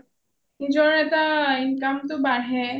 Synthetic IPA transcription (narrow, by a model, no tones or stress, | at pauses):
id͡ʒɔɾɛt̪ainkamt̪obaɽɦɛ